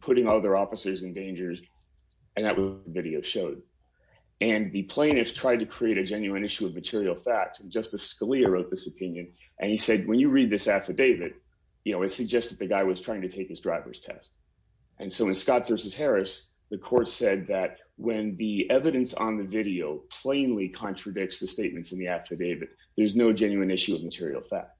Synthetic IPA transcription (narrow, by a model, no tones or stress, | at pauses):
pʰʊɾɪ̃ŋʌlˠðə˞ɔfəsə˞zɨ̃ndẽɪ̃nd͡ʒə˞z | ɨ̃nðɨ̰ʔwʌzʌt̪̚ðəvɪɾioʊʃoʊd̚ | ɨ̃nðɨpʰl̥ẽɪ̃ñɨfstʰɹ̥aɪd̚tɨkʰɹ̥ieɪɾɨd͡ʒɛ̃njʉɨ̃nɪʃʉʌvmɨtʰɪɹil̩ˠfæk̚tsɨ̃n̩d͡ʒʌstɨskəliɨɹoʊt̪̚ðɪsɨpʰɪ̃njɨ̃n | ʔɨ̰̃nisɛd̚wə̃njɨɹid̪̚ðɪsæftə˞deɪvɨd̥̚ | jɨnoʊɨtsɨɡ̚d͡ʒɛstɨd̪̚ðɨɡaɪwʌz̥tʰɹ̥aɪɪ̃ŋtɨtʰeɪk̚ðɨsdɹaɪvə̰˞z̥tʰɛ̰st | ʔɨ̃nsoʊɨ̃nskɑtv̥ɜ˞sɨz̥hɛɹɨs | ðɨkʰɔɹtsɛd̪̚ðɨt̚ | wɨ̃nðiɛvɨɾɨ̃nsn̩ðɨvɪɾioʊpʰl̥ẽɪ̃nlikʰɑ̃nt͡ʃɹ̥ɨdɪk̚tsðɨsteɪt̚mɨ̃ntsn̩ðiæfədeɪvɨd̪̚ | ðə˞znoʊd͡ʒɛ̃njʉɨ̃nɪʃʉʌvmɨtʰɪɹḭl̩ˠfæ̰k̚t̚